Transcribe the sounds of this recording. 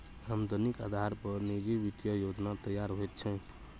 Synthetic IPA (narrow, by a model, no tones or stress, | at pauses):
amd̪ʱonika̰d̪ʱaɾpəɾnid͡ʒiʋit̪jəjod͡ʒnat̪əjaɾɦojt̪̚t͡ʃʰɛ̃